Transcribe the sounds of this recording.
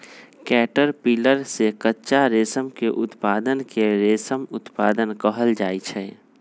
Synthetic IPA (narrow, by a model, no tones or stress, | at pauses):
kɛːʈəɾpiːləɾsekətːʃaɾeːsəmkeʔʊt̪paːd̪ənkeɾeːsəmʊt̪paːd̪ənkəɦəld͡ʒaːit͡ʃʰɛː